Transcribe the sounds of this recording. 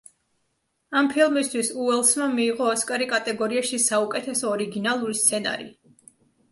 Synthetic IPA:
ampʰilˠmist̪ʰwisuɛlˠsmamiːʁɔːskʼaɾikʼat̪ʼɛɡɔɾiaʃisaukʼɛt̪ʰɛsɔːɾiɡinalˠuɾist̪sʰɛna̰ɾḭ

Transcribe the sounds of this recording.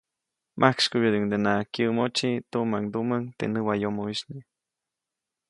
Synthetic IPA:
mʔakʃkubjəd̪iŋd̪enakjəmot͡ʃit̪umaŋd̪uməŋt̪ḛnəwajomoiʃni

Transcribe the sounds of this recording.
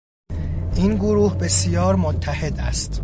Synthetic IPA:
ʔiːnɡoɾuːhbe̞sijɒːɾmot̪ʰːæhe̞d̪æst̪

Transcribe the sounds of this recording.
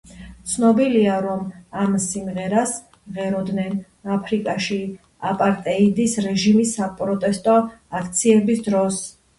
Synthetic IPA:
t̪sʰnɔbiliaɾɔmamsimʁɛɾas | ʁɛɾɔd̪nɛn | apʰɾikʼaʃi | apʼaɾt̪ʼɛid̪isɾɛʒimisːapʼɾɔt̪ʼɛst̪ʼɔakʰt̪sʰiɛbisd̪ɾɔs

